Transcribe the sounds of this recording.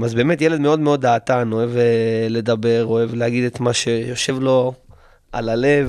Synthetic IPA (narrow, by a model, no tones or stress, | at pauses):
mazbe̞ːmetjele̞d̪meo̞d̪meo̞d̪aːt̪ano̞evle̞d̪abe̞ʁoe̞vlehaɡid̪et̪maʃe̞jo̞ʃe̞vlo̞ | ʔalale̞v